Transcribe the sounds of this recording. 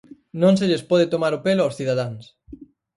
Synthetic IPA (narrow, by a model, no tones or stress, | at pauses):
nõŋs̬eʎespɔð̞ɪt̪omaɾʊpelʊawsθiðaðaŋs